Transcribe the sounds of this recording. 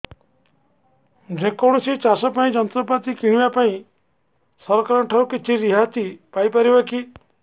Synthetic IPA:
ɾekɔɽ̃ɔsit͡ʃasɔpaĩd͡ʒɔnɔt̪ɾɔp̬at̪ikiɽ̃ibapaĩ | sɔɾɔkaɾɔʈʰawkit͡ʃʰiɾiɦat̪ipajpaɾibaki

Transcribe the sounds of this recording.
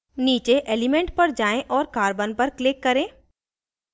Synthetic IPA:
niːt͡ʃeʔeːlɪmẽːɳʈ̚pɐɾd͡ʒaːẽʔɔːɾkaːɾbənpɐɾklɪkːɐɾẽː

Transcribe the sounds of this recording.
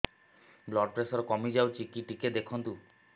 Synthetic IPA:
blɔɖ̚pɾesɔɾkɔmid͡ʒawt͡ʃʰikiʈiked̪ekʰɔnt̪u

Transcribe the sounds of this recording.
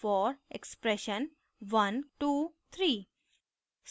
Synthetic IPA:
fɔːɾekspɾɛʃə̃n | ʋʌ̃nʈuːt̪ʰɾiː | s

